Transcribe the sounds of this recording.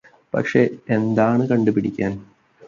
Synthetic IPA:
pɐ̰kʂe̞end̪aːɳɨkɐɳɖupiɽikʲːaːn

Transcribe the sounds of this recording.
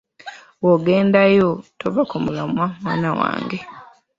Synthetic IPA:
woɡe̞ːndajotoβakomulamwamwaːnawa̰ːŋɡe

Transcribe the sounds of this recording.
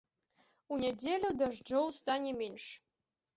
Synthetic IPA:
unʲedʲelʲud̪aʐɖ͡ʐowst̪anʲemenʂ

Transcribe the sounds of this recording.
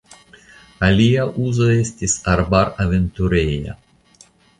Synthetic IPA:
alʲiaʔuzoest̪ʲisaɾbaɾavent̪uɾeja̰

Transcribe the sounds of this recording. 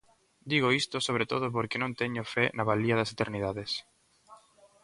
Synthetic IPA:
d̪iɣoist̪osoβ̞ɾet̪oð̞opoɾkɪnõnt̪eɲofɛnaβaliɐðɐset̪eɾniðaðes

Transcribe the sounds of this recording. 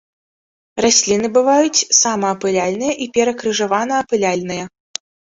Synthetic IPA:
rasʲlʲinɨbɨvajut͡sʲsamɐːpɨlʲalʲn̪ɨjɐʔipʲɛɾɐkɾɨʐavanɐːpɨlʲalʲnɨjɐ

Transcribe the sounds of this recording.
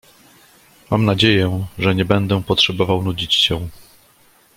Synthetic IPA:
ma̰mnad͡ʑejɛʐɛɲɛbɛnd̪ɛpɔtʂɛbɔvawnud͡ʑit͡ɕɕɛ

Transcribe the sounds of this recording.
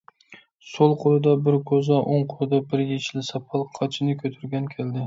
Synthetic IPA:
solˠqʰolˠɪd̪abɪɾkʰɵzaʔoɴqʰolˠɪd̪abɪɾjet͡ʃʰlɪsɑpʰɑlˠqʰɑt͡ʃʰɪnɪkʲʰɵt̪ʰɪɾɡʲankʲʰeld̪ɪ

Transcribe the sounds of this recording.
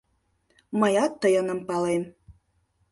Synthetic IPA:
məjɑt̪ːəjə̆nə̆mpɑlem

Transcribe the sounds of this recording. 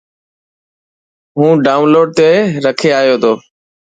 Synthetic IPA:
ɦũːɖaːʊnloːɖ̚t̪eɾəkʰeaːjoːt̪ʰoː

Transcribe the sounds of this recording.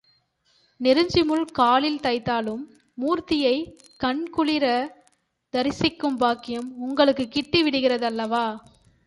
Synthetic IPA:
nɛɾɯɲd͡ʒɪmɯɭkaːlɪlt̪ɐɪt̪ːaːlɯmː | uːɾt̪ɪjɐɪ | kɐɳkʊɭɪɾɐ | d̪ɐɾɪsɪkːɯmbaːkːɪjɐmʊŋɡɐɭɯkːɯkːɪʈːiʋɪɽɯɣɪrɐðɐlːɐʋaː

